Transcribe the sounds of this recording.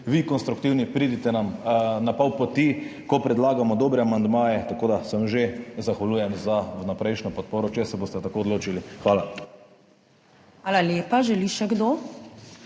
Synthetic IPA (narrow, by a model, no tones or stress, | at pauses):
ʋikɔnst̪ɾuk̚t̪iwnipɾiːd̪it̪ɛnamnapɔwpɔt̪ikɔpɾɛd̪laːɡamɔd̪oːbɾɛamand̪maːjɛt̪akoːd̪asəmʒezaxʋaluːjɛmzanapɾɛjʃnɔpɔt̪̚poːɾɔt͡ʃɛsɛboːst̪ɛt̪akoːd̪loːt͡ʃilixʋaːla | xʋaːlaljeːpaʒɛliʃɛɡd̪oː